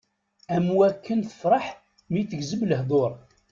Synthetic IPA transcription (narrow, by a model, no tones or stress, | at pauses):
æmwækːənθə̥fɾˤɑħ | miθəɡzəbləɦd̪ˤoɾˤ